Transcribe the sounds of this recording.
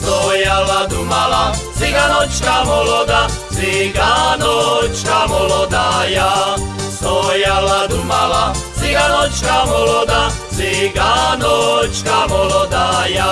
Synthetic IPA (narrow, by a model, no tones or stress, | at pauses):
st̪ojalad̪umalasiɡanot͡ʃkamolod̪asiɡanot͡ʃkamɔlɔd̪ajast̪ojalad̪umalasiɡanot͡ʃkamolɔd̪a | siɡanot͡ʃkamɔlod̪aja